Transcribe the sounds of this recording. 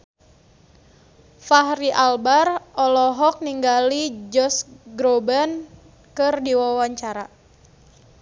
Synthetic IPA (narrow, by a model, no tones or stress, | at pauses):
fahɾiʔalbarɔlɔɦɔk̚niŋɡalid͡ʒɔsɡɾoban | kɨrdiwawaɲt͡ʃaɾa